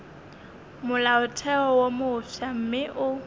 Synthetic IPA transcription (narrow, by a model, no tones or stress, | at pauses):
mʊlaʊtʰɛɔwomʊːʃam̩mɪʔʊ